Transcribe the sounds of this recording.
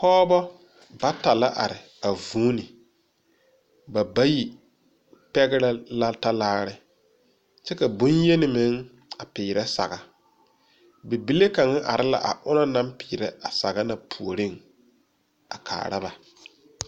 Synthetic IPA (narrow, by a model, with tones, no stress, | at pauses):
hɔː˦bɔ˦ | ba˦ta˨la˦ʔa̰˨ɾɪ˨ | a˨vuː˦nɪ˨ | ba˨ba˦ji˨ | pɛ˦ɡɪ˦ɾa˦la˦ta˦laː˦ɾɪ˦ | t͡ʃɛ˦ka˨bʊ˦nje˦nɪ˨mɪ˨˦ŋ | a˨pɪː˨ɾɛ˦sa̰˨ɣa˨ | bi˨bi˦le˦ka˨ŋa˦ʔa˨ɾɪ˦la̰˦ʔa̰˨ʔʊ˦nɔ˦na˦mpɪː˨ɾɛ˦a˨sa̰˨ɣa˦na˨pʰu˨o˨ɾɪ˦˨ŋ | a̰˨kʰa̰ː˨ɾa̰˦ba˨